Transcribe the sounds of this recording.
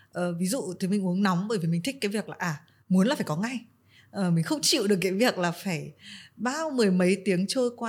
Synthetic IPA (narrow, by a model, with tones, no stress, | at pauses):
ʔəː˨˩vi˨˦zṵ˧˨t̪ʰmï˧˩ŋ̟ʔu˨˦əŋnɔ˨˦wŋ͡mɓəː˧˩jvi˨˩mï˨˩ŋ̟t̪ï˦˥k̟kaː˨˦jvi˨˩ək̚laː˨˩ʔaː˨˩ | mu˨˦nlːfaː˧˩kɔ˨˦ŋa˧j | ʔəː˨˩mi˨˩ŋ̟xə˧wŋ͡mt͡ɕḭ˧˨wɗək̬̚ːaː˨˦jvi˨˩ək̚laː˨˩faː˧˩jɓaː˧˥˧wmɨ˨˩əjmə˨˦jt̪i˨˦əŋt͡ɕəː˧jkwaː˧